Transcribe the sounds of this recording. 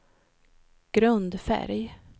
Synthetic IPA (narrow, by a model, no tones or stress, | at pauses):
ɡ̥ɾɵnd̪fæ̰ɾj